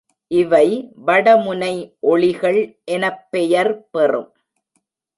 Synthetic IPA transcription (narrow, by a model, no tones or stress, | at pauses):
ʔɪʋɐɪʋɐɽɐmʊnɐɪʔɔɭɪɣɐɭʔɛnɐpːɛjɐɾpɛrɯ̰m